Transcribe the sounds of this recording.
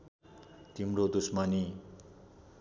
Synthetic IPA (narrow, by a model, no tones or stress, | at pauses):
t̪imrod̪usmani